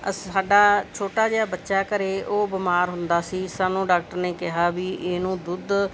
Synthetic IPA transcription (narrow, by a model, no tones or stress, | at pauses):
əaːɖaːt͡ʃʰoːʈaːd͡ʒeːɽaːbətːʃaːkəɾeːʔoːbɪmaːɾɦʊnd̪aːsiːsaːnũːɖaːk̚ʈəɾneːkɪɦaːbiːʔeːnũːd̪ʊd̪